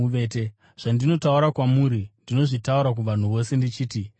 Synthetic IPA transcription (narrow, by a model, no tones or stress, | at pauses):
ʋete | ʐ̥andino̞tauɾakwamuːɾindino̞ʐitauɾak̬uʋan̤uʋo̞se̞ndit͡ʃiːti